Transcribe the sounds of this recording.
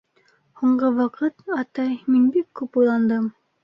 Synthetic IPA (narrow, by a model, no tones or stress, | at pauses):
huɴɢɤwɑqɤt̪ɑt̪ɑjminbikːʉpujlˠɑnd̪ɤm